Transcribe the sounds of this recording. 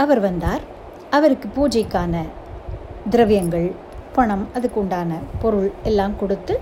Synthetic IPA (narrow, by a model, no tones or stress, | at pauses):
ɐʋɐɾʋɐnd̪aːɾ | ɐʋɐɾɯkːɯpuːd͡ʒɐɪkːaːnɐ | d̪ɪɾɐʋɪjɐŋɡɐɭ | pɐɳɐmɐðɯkːɔɳɖaːnɐpɔɾɯɭɛlːaːmkɔɽɯt̪ːɯ